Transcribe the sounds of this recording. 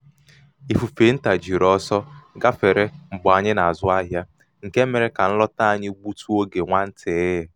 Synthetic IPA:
i˨fu˨fe˨n̩˦ta˨d͡ʒi˨ɾɔ˦sɔ˦ɡa˦fe˨ɾe˦ŋ͡m̩˨bʊ˨a˨ɲɪ˦na˨a˨zʊ˦a˦ɦja˦ | ŋ̩˨ke˦me˨ɾe˨ka˨n̩˦lɔ˦ta˦a˨ɲɪ˦ɡ͡bu˦tu˦o˦ɡe˨ŋʷa˦n̩˦tʰe˨˦ɦe˨

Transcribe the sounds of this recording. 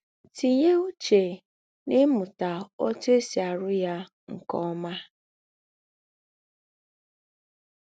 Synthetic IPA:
ti˨ɲe˦u˦t͡ʃe˨ | nɪ˦mʊ˨ta˨ɔ˦tʊ˦e˦si˨a˨ɾʊ˦ja˦ | ŋ̩˨kɔ˦ma˦

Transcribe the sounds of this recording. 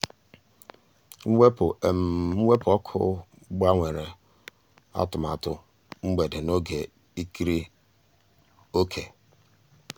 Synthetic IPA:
ŋ̩˦ŋʷe˦pʊ˨e˨m̩˨ŋ͡m̩˦we˦pɔ˦kʰʊ̰˦ | ɡ͡ba˦ŋʷe˨ɾe˨ | a̰˦tʊ˨ma˨tʊ˦ | ŋ͡m̩˦ɡ͡be˨dɪ˨no˦ɡe˨ | i˦ki˦ɾi˦ | o˦kʰe˨

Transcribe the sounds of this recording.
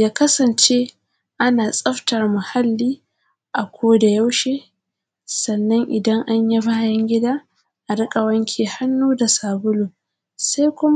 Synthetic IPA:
jaː˦kɐ˦sɐ˨nt͡ʃe˦ | ʔa˦naː˨sʼɐ˦ɸtɐ˨rmʊ˨ha˦lːiː˦ | ʔa˨kʷoː˦da˨ja˦wʃeː˦ | sɐ˨nːɐ˦ŋʔɪ˨dɐ˦ŋʔa˦ɲjɐ˦baː˦˨jɐ˦ŋɡʲɪ˦daː˦ | ʔa˨ɽɪ˦kʼa˨wɐ˦ŋkʲʰeː˨ha˦nːuː˦da˨saː˨bʊ˦loː˨ | sa˦jkʷʊ˦m˦

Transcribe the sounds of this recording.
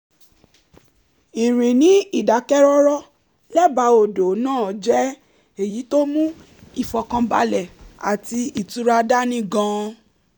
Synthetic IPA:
i˨ɾĩ˨nĩ˨˦i˦˨da˨˦kɛ˦ɾɔ˦ɾɔ˦ | lɛ˦ba˧˦o˨do˨˦nãː˦˨d͡ʒɛ˦ | e˨ji˨˦to˦mũ˦ | i˨fɔ˨kã˧ba̰˧lɛ˨a˨ti˧i˨tu˨˦ɾa˧da˦nĩ˦ɡã˧˦

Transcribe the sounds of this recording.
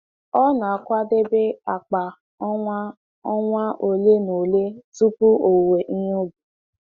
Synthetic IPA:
ɔ˦nã˨a˨kʷa˦de˦be˦a˨k͡pa˨ | ɔ˦a˦ | ɔ˦ŋʷ˦a˦ʔo˨le˦no˨le˦tu˦pu˦o˨wwe˨ʔi˦jo˦bu˨

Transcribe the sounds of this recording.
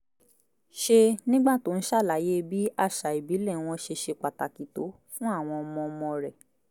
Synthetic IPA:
ʃe˧nĩ˦ɡ͡ba˦˨to˦n̩˦ʃa˦˨la˨je˦bi˦a˦˨ʃa˨i˨bi˨˦lɛ˦˨w̃ɔ̃˧ʃe˧ʃe˧k͡pa˨ta˨ki˨to˨˦ | fũ˦a˦˨w̃ɔ̃˧ɔ˧mɔ̃˧ɔ˧mɔ̃˧ɾɛ˨

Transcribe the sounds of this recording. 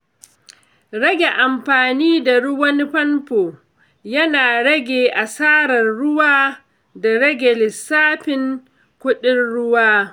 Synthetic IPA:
ɽɐ˦ɡʲe˨ʔa˨mɸaː˨niː˦da˨ɽʊ˦wɐ˦n˦ɸɐ˦nɸoː˨ | jɐ˦naː˨ɽɐ˦ɡʲeː˨ʔa˨saː˦ɾɐ˨rɽʊ˦waː˦ | da˨ɽɐ˦ɡʲe˨lɪ˨saː˦ɸɪ˨ŋ | kʷʊ˦ɗɪ˦nɽʊ˦waː˦

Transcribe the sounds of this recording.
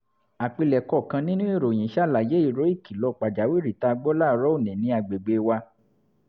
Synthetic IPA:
a˨k͡pi˧lɛ˨kɔ˧˨kã˧nĩ˦nũ˦i˦˨ɾo˨j̃ĩ˨ʃa˦˨la˨je˨˦i˦˨ɾo˨˦i˦˨ki˨lɔ˧˨k͡pa˨d͡ʒa˨˦wi˦˨ɾi˨ta˧ɡ͡bɔ˦la˦˧ɾɔ˦o˦˨nɛ̃˨nĩ˨˦a˧ɡ͡be˨ɡ͡be˧wa˧

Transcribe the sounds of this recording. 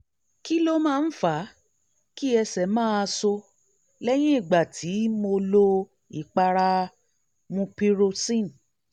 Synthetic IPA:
ki˦lo˦mãː˦˧n̩˦fa˨˦ | ki˦ɛ˧sɛ˨mãː˦a˧so˧ | lɛ˦j̃ĩ˦i˦˨ɡ͡ba˨tʰi˨˦mo˧lo˧ | i˨k͡pa˧ɾa˧ | mũ˧pi˦˧ɾo˧sĩ˦˨n˨

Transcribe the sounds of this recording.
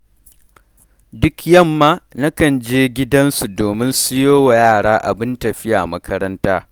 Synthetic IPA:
dʊ˦kjɐ˦˨mːaː˦na˦kɐ˨nd͡ʒeː˦ɡʲɪ˦dɐ˦nsu˨doː˨mɪ˦nsɪ˦joː˦wa˨jaː˦˨ɽaː˦ʔa̰˨bɪ˦ntɐ˨ɸɪ˦ja̰ː˨mɐ˦kʰɐ˦ɾɐ˦ntaː˦

